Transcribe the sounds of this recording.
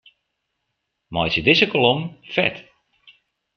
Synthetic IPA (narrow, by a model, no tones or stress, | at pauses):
mɔjsədɪzəkolomfɛ̰t